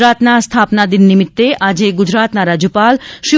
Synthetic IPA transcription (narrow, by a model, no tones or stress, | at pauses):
ɾaːt̪nast̪ʰaːpnad̪inːimit̪ːeʔad͡ʑeɡud͡ʑɾaːt̪naɾad͡ʑupalʃi